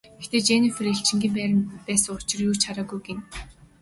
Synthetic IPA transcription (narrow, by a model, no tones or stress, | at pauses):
ɡext̪eːt͡ɕeːnĭːfeɾĕɬt͡ɕɪ̆ŋɡʲiːmpæːɾmpæːsə̆ŋʊt͡ɕɪ̆rjuːt͡ɕʰaɾaːɡujɡen